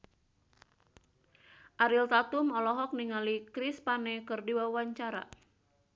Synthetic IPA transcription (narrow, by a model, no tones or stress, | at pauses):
ʔaɾilt̪at̪umɔlɔɦɔk̚niŋalikɾispanɛkɨrdiwawaɲt͡ʃaɾa̰